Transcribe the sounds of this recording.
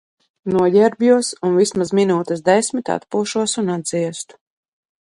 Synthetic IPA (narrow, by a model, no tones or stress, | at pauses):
nuɔɟɛɾbjuɔsunvismazminuːt̪əsd̪ɛsʲmit̪a̰t̪puːʃuɔsunad̪ziɛst̪u̥